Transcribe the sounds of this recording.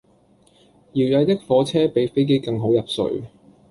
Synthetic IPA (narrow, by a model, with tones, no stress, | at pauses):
jiː˨˩wjɐ˨˧jt̪ɪ˥k̚fɔː˨˥t͡sʰɛː˥pe˨˧jfe˥jk̬e˥jkɐ˧ŋɦo˨˥wjɐ˨p̚sɵ̰˨˧ɥ